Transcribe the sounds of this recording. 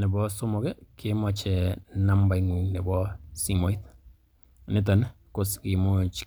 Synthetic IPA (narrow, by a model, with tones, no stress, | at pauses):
nɛ˨bɔ˦sʊ˦mɔ˨ɡɛ˦kɪ˦mɔ˨t͡ʃɛ˨na˦mba˨i˦ŋu˨ŋnɛ˨bɔ˦si˦mo˨˦i˦t̪ | nɪ˦t̬a˨n˦ | ko˦skɪ˨mo˦t͡ʃ